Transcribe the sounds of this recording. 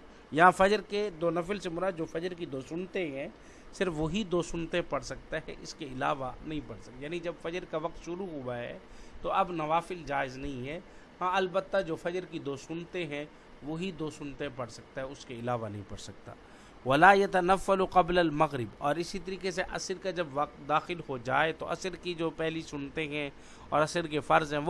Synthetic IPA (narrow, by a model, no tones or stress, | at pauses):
jɐɦãfɐd͡ʒəɾked̪oːnɐflsemʊɾaːd̪d͡ʒoːfɐd͡ʒəɾk̬id̪oːsʊnt̪eɦɛ̃ | sɪɾfʋoɦid̪oːsʊnt̪ẽpɐɽsɐk̚t̪aɦɛ̰ʔɪ̰skeɪla̰ːʋanɐɦĩpɐɽsɐkjaːnid͡ʒɐbfɐd͡ʒəɾkaʋɐq̚t̪ʃʊɾuɦʊaɦɛ̰ːt̪oɐbnɐʋaːfɪld͡ʒaːɪznɐɦĩɦɛːhãɐlbət̪ːad͡ʒoːfɐd͡ʒɾkid̪oːsʊnt̪eɦɛ̃ | ʋoɦid̪oːsʊnt̪ẽpɐɽsɐk̚t̪aɦɛʊskeɪlaːʋanɐɦĩpɐɽsɐk̚t̪a̰ː | ʋɐlaːjɐt̪ɐnɐfːəlqɐbləlmɐɣɾɪbɔːɾɪsit̪ɐɾiːkeseʔɐ̰səɾkad͡ʒɐbʋɐq̚t̪d̪aːxɪlhod͡ʒaːet̪o̰ʔɐ̰səɾkid͡ʒoːpɛɦlisʊnt̪eɦɛ̃ | ɔːɾɐsəɾk̬efɐɾzɦɛ̃